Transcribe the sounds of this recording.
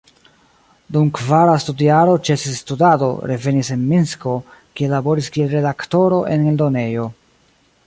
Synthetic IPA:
dumkvaɾastudiaɾo̞t͡ʃe̞sistudado̞̰ɾe̞ve̞nise̞nminsko̞kielabo̞ɾiskielɾe̞dakto̞ɾo̞ʔe̞neldo̞ne̞jo̞

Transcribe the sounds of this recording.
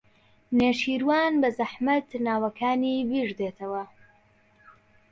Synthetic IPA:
neːʃiːɾwaːnbɐzɐħmɐt̪naːwɐkʰaːniːbiːʒd̪eːt̪ʰɐwɐ

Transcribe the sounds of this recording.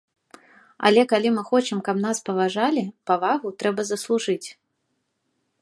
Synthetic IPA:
ɐ̰lʲɛkalʲimɨxɔt͡ʃɨmkɐpn̪aspɐvaʐalʲipavaɣut̪ɾɛbɐzɐslˠuʐɨt͡sʲ

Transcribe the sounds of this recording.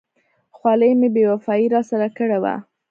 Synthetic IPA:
xwɑləjmebewafɑiɾɑsaɾakəɽewa̰

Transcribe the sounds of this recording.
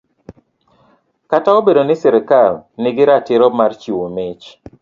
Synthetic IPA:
kataobedonɪsɛɾɪkalnɪɡɪɾatɪɾɔmart͡ʃiwomɪt͡ʃ

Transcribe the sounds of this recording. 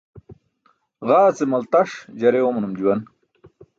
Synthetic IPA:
ɣaːt͡semɐlt̪ɐʂd͡ʑɐɾewomɐnumd͡ʑuwɐn

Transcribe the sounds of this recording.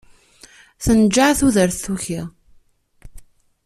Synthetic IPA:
θənd͡ʒːaʕθuðəɾθθuçi

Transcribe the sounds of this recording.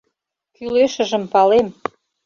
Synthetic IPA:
kyleʃə̆ʒə̆mpɑlem

